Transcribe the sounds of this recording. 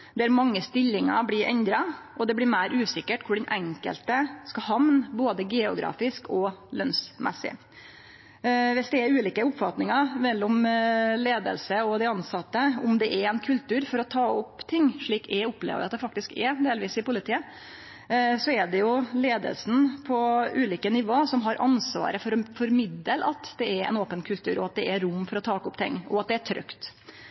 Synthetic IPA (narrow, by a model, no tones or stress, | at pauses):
d̪ɛæɾmɑŋːəst̪ɪlːɪŋɑ̰blɪɾʔɛ̰nd̪ɾɑʔɔd̪ɛblɪɾmæɪɾʔʉːsɪkːəʈkʰʊɖɛnʔɛŋkə̰lt̪əskɑɦɑmnboːd̪əɡɛʊɡɾɑ̰ːfɪskɔlœnsmʔɛ̰sɪ̰ | ʋɪsd̪ɛːɾʉːliːkəʊpfɑt̪nɪŋɑɾmɛlːɔmleːd̪ə̰lsəɔd̪ɛɑnsɑt̪ːəʊmd̪ɛʔɛɾɛnkʰʉlt̪ʰʉːɾfɔɾɔt̪ʰɑːʊpt̪ʰɪŋːʂɭiːkæʊplḛʋə̰ʋɪ̰ɑt̪d̪ɛfɑkt̪ɪskɛɾd̪eːlʋiːsɪpʊlɪt̪ʰiːə | sɔɛɖɛjʊleːd̪ə̰lsnpʰɔʉːliːkənɪʋoːsɔmɦɑɾʔɑ̰nsʋɑ̰ːɾəfɔɾɔfɔɾmɪd̪əlʔɑt̪d̪ɛɛɾɛ̰noːpənkʰʉlt̪ʰʉ̰ːɾʔɔɑt̪̚d̪ɛɛɾʊmːfɔɾɔt̪ʰɑːkʊpt̪ʰɪ̰ŋːɔɑt̪̚d̪ɛæʈ̪ʰɾœ̰kt̪